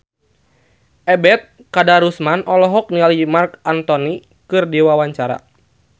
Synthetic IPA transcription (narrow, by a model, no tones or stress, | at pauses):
ʔɛbɛt̪̚ | kadaɾusmanʔɔlɔɦɔk̚nialimarkant̪ɔni | kɨrdiwawaɲt͡ʃaɾa̰